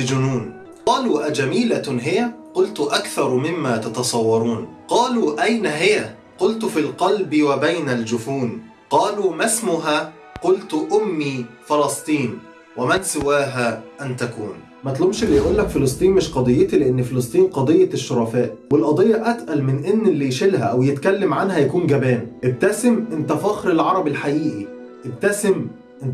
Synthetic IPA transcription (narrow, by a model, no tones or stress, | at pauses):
ɪd͡ʒʊnuːn | qɑːluːʔæd͡ʒæmiːlaɦɪjæqʊlt̪ʊʔakθɑɾˤmɪmːæːt̪ɑt̪ɑsˤɑwːɑɾˤuːn | qɑːluːʔæjnaɦɪjæ | qʊlt̪ʊfilqɑlbɪwabajnæld͡ʒʊfuːn | qɑːluːmasmʊɦaː | qʊlt̪ʔʊmːiːfɑlɑsˤt̪ˤiːn | wemænsɪwæːɦæʔænt̪ækṵːn | mæt̪lobʃelːijʔuːlːækfelɑsˤt̪ˤiːnmɪʃqɑd̪ˤejːet̪ileʔenːfelɑs̬ˤt̪ˤiːnqɑd̪ˤejːɑʃːoɾˤɑfæːʔwelʔɑd̪ˤejːɑʔæt̪ʔælmɪnʔenːelːijʃelɦæʔæwjet̪kælːæmʕanhæjækuːnɡæbæːnʔeb̚t̪æsɪmʔent̪æfɑxɾelʕɑɾˤɑbelħaʔiːʔi | ʔeb̚t̪æsɪm | ʔn